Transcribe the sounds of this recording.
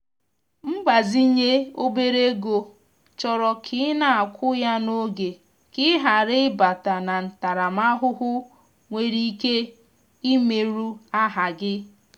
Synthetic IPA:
m̩˦ɡ͡ba˨zi˦ɲe˦o˦be˦ɾe˦ɡo˨ | t͡ʃɔ˨ɾɔ˨kʰɪ˨˦na˨a˨kʷʰʊ˦ja˦no˦ɡe˨ | kɪ˦ɦa˨ɾɪ˦ɪ˦ba˨ta˨na˨n̩˨ta˨ɾa˨ma˦ɦʊ˦ɦʊ˦ | ŋʷe˨ɾi˦ke˦ | i˦me˨ɾu˦a˦ɦa˨ɡɪ˦

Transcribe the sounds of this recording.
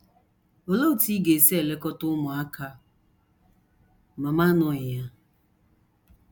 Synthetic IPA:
o˨lo˦u˨ti˦ɡe˨se˦e˨le˦kɔ˦tʊ˦mʊ˨a˦kʰa˦ | ma˨ma˦nɔ˨ja˦

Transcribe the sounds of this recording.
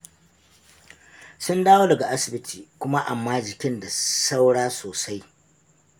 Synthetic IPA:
sʊ˦ndaː˦woː˦dɐ˨ɡa˨ʔa˦sɪ˨bɪ˦tʰiː˨kʷʊ˦ma˦ʔa˨mːaː˦d͡ʒɪ˨kʲɪ˦nda˨sa˦wɽaː˦soː˨sa˦j

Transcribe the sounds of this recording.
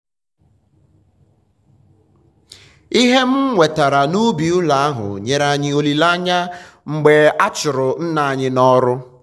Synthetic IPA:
i˦ɦe˦m̩˦ŋʷe˨ta˨ɾa˨nu˦bi˨u˦la˨a˦ɦʊ̰˨ɲe˨ɾa˦ɲɪ˦o˦li˨la˦ɲa˦ŋ͡m̩˨ɡ͡be˨a˦t͡ʃʊ˨ɾʊ˨n̩˦na˨a˨ɲɪ˦nɔ˦ɾʊ˦

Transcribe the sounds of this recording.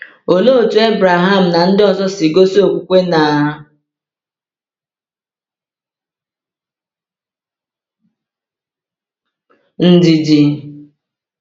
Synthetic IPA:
o˨lo˦˨tu˨e˦bɾa˨ɦa˦˨m̩˨na˨n̩˦dɪ˦ɔ˨zɔ˦sɪ˨ɡo˦so˦˨kʷu˨kʷe˦na˨ | n̩˦di˨di˨

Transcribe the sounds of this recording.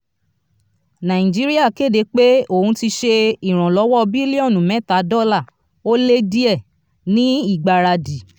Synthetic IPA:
nã˨ĩ˨d͡ʒi˦ɾi˦a˦˨ke˦˨de˨˦k͡pe˦o˦˨hũ˧˦ti˧ʃe˧i˨ɾ̃ɔ̃˨lɔ˨˦wɔ˦˧bi˦li˦ɔ˦˨nũ˨mɛ̃˨˦˨ta˨˦dɔ˦la˦˨ | o˦le˦di˦ɛ˦˨ | nĩ˦i˦˨ɡ͡ba˨ɾa˧di˨

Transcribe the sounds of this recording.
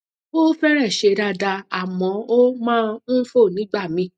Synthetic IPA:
bo˦fɛ˦ɾɛ˦˨ʃe˧ɾa˧da˧a˦˨mɔ̃˨˧˦o˦mãː˦n̩˦fo˦˨nĩ˨˦ɡ͡ba˦˨mĩ˧˦

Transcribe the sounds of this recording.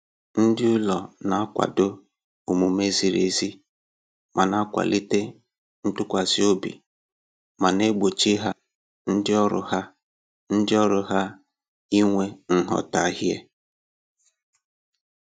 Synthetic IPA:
n̩˦dɪ˦ʊ˦lɔ˨na˨˦a˦kʷa̰˨dʊ˦ | o˨mu˨me˦zi˨ɾḛ˨zi˦ | ma˨na˦kʷa̰˨li˦te˦ | n̩˦tʊ˦kʷa˨zi˦o˦bḭ˨ | ma˨ne˦ɡ͡bo˨t͡ʃi˦ɦa˦ | n̩˦dɪ˦ɔ˦ɾʊ̰˨ɦa˦ | n̩˦dɪ˦ɔ˦ɾʊ˨ɦa˦ | i˦ŋʷe˦n̩˦ɦɔ̰˦ta˨ɦɪ˦ḛ˦

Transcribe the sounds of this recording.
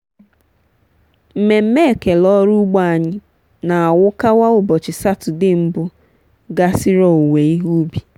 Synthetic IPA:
m̩˨me˨m̩˦me˦e˨ke˨lɔ˦ɾu˦ɡ͡ba˦a˨ɲɪ˦ | na˨a˨wʊ˦ka˦wa˦ʊ˦˨bɔ˨t͡ʃɪ˨sa˦tʊ˨dɪ˦m̩˦bʊ˦ | ɡa˦sɪ˦ɾɔ˨ŋe˨i˦ɦu˦bi˨

